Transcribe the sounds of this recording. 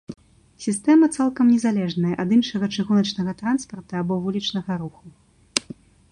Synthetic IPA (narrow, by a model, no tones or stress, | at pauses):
sʲist̪ɛmɐt̪salˠkɐmnʲɛzalʲɛʐnɐjɐʔɐd̪ɨnʂɐɣɐt͡ʂɨɣunɐt͡ʂnɐɣɐt̪ɾanspɐrt̪ɐabɔvulʲit͡ʂnɐɣɐɾuxu